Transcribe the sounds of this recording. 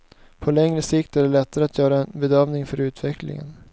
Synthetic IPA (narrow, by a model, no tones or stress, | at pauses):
pʰɔlɛŋɾəsɪkt̪æɖɛlɛt̪ːaɾəat̪ʰjœːɾaɛnbɛd̪œvnɪŋfœɾʉ̟ːt̪vɛklɪ̰ŋə̰n